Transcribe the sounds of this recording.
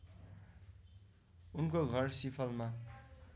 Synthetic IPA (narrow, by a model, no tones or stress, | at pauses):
unkoɡʱʌrsipʰʌlma